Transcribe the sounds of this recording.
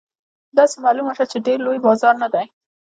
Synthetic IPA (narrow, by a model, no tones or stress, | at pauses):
d̪ɑsemɑlumaʃat͡ʃeɖeɾlojbɑzɑɾnad̪aj